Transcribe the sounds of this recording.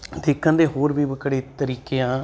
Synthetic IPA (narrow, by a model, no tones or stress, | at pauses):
d̪ɪkʰːə̃nd̪eːɦoːɾbiːbəkɽeːt̪əɾiːkeːãː